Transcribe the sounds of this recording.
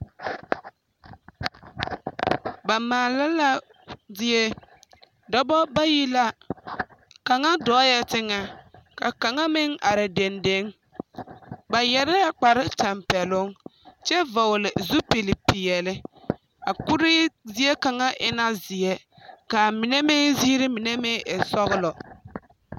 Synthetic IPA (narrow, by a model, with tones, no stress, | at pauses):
ba˨maː˨la˦la˦ | dɪ˦e˦ | dɔ˦bɔ˦ba˦ji˦la˦ | ka˨ŋa˦dɔ˦jɛ˦tɪ˦ŋa˨ka˨ka˨ŋa˦mɪ˦ŋa˨ɾɪ˨de˨nde˦ŋ | ba˨jɛ˨ɾɛ˦a˦k͡pa˨ɾɪ˦ta˨mpɛ˨lʊ˦ŋt͡ʃɛ˦va˨wlɪ˨zu˦pi˨lɪ˨pi˨jɛ˨lɪ˦ | a˨kʊ˦ɾɪ˦zɪ˦e˦ka˨ŋa˦ʔɪ˦na˦zɪ˨e˦ | ka˨mi˨ne˦mɪ˦ziː˦ɾɪ˦mi˨ne˦me˦ʔɪ˨sɔ˦ɣɪ˦lɔ˨